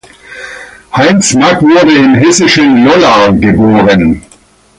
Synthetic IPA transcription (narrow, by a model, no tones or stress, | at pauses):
haɪnsmakvʊɐdəɪnɦɛsɪʃənlɔlaɡəboːʁən